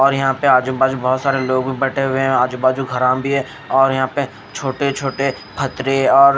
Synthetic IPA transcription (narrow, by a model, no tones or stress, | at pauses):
ɔːɾjɐɦãpeaːd͡ʒubaːd͡ʒubɔːt̪saːɾeloːɡbʱibɛʈʰeɦʊeɦɛ̃aːd͡ʒubaːd͡ʒuɡʱɐɾãbʱiɦɛ̃ | ɔːɾjɐɦãpe | t͡ʃʰoːʈet͡ʃʰoːʈe | pʰɐt̪ɾeɔːɾ